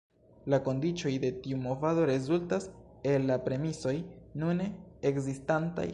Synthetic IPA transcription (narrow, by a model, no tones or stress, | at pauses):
lako̞ndit͡ʃo̞jde̞tiumo̞vado̞ɾe̞zultas | e̞lːapɾe̞miso̞jnuneekzistanta̰j